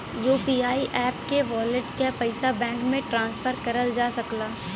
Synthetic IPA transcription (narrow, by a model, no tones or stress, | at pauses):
juːpiːaːiʔɛːpkeʋɔːlɪʈkapɐɪsabɛ̃ːŋkmẽʈɾãːnspʰəɾkɐɾəld͡ʒaːsɐklaː